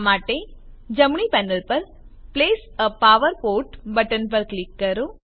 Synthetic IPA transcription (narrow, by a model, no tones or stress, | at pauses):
maːʈːed͡ʒɐmɳipɛnɐlpɐɾ | pleːsɐpːaːʋɐɾpoːʈbɐʈːɐnpɐɾklɪkːɐɾu